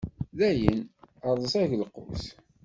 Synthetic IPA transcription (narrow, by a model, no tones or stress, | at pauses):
ðæjənəɾˤðˤəsæʝləqʊ̰s